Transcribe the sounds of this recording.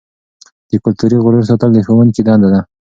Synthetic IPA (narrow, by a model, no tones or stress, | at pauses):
d̪̥əkʊlt̪uɾiɣʊɾəɾs̬ot̪ald̪əxəwənkid̪ɑnd̪ad̪a